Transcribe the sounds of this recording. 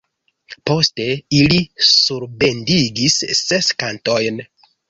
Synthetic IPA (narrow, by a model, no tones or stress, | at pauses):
po̞ste̞ilisuɾbe̞ndiɡisːe̞skanto̞jn